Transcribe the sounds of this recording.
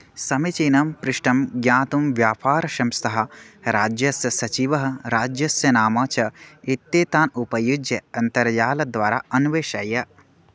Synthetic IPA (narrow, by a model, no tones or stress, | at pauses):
sɐmit͡ʃiːnɐmpɾɪʃʈɐmɡjaːt̪umʋjaːpʰaːɾɐʃɐmsɐɦɐ̆ɾaːd͡ʒjɐsjɐsɐt͡ʃiʋɐɦɐɾaːd͡ʒjɐsjɐnaːmaːt͡ʃɐit̪ːjeːt̪aːnupɐjud͡ʒjɐɐnt̪ɐɾjaːlɐd̪ʋaːɾa̰ːʔɐnʋeːʃɐjɐ